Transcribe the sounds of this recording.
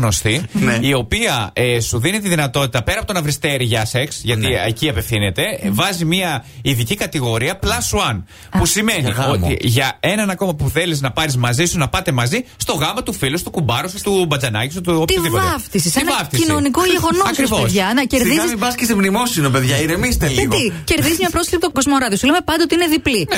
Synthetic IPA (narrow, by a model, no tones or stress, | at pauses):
no̞st̪inio̞piɐesuðinit̪iðinɐt̪o̞t̪it̪ɐpe̞ɾɐpot̪o̞nɐvɾist̪e̞ɾiʝɐseksʝɐt̪ieciɐpefθine̞t̪e̞vɐzimiɐiðicikɐt̪iɣo̞ɾiɐplɐsuɐn | pusime̞nḭot̪ḭʝɐe̞nɐnɐko̞mɐpuθe̞liznɐpɐɾizmɐzisunɐpɐt̪e̞mɐzist̪o̞ɣɐmɐt̪ufilust̪ukubɐɾosut̪ubɐd͡zɐnɐcis̬ut̪ut̪iiɐft̪isiseinvɐft̪isinonikoʝeɣonɐskɾivoesðʝɐnɐcesɾððizisibɐskisimnimosinope̞ðʝɐiɾemist̪elit̪ice̞ɾððizizmɲɐpɾosklpit̪oɡozmoɾɐðiosuleme̞pɐnd̪ot̪iineðiplin